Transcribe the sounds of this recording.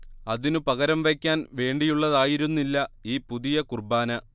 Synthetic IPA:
ɐðinupɐɣɐɾɐmʋekʲːaːnʋe̞ːɳɖijuɭːɐðaːjiɾunːilːɐiːpuðijɐkurbaːnɐ

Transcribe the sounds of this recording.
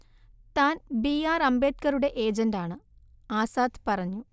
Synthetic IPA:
t̪aːnbiːaːrɐmbe̞ːt̪̚kɐɾuɽe̞ʔeːd͡ʑɐndaːɳɨ | aːsaːt̪pɐrɐɲːu

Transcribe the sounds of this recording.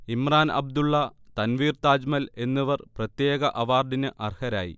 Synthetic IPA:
imraːnɐ̰b̚d̪uɭːɐt̪ɐnʋiːrt̪aːd͡ʑmɐle̞nːuʋɐrprɐt̪jeːɣɐʔɐʋaːrd̪inɨʔɐrhɐɾaːjḭ

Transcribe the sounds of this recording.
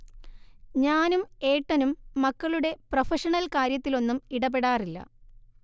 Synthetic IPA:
ɲaːnume̞ːʈːɐnumːɐkːɐɭuɽe̞profɐʂɐɳɐlkaːɾjɐt̪ːilo̞nːumiɽɐp̬ːe̞ɽaːrilːɐ̰

